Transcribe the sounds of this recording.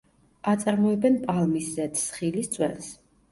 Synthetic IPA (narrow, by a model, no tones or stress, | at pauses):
at̪sʼaɾmɔɛbɛnpʼalˠmiszɛt̪sχilist̪sʼwɛ̰ns